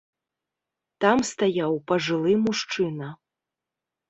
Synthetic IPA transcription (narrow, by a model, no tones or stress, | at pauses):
t̪amst̪ajawpɐʐɨlˠɨmuʂt͡ʂɨnɐ